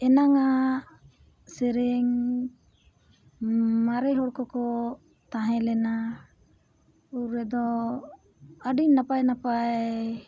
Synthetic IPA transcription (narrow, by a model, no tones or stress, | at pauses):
ɛnaŋa | sɛɾɛŋ | maɾɛɦɔɽkɔkɔ | t̪aɦɛ̃lɛna | uɾːɛd̪ɔ | aɖiɲnapajnapaj